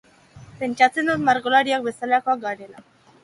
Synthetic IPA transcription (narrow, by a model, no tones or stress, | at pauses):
pe̞nt͡ʃat͡se̞nd̪ut̪maɾɣolaɾiak̚be̞salakoakɡaɾela